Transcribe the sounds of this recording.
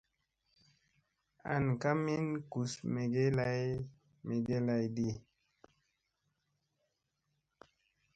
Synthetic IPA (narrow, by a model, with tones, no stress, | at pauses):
a̰˨nka˦mi˦nku˨sme˨ɡe˦la˦j | me˨ɡe˦la˧jdi˦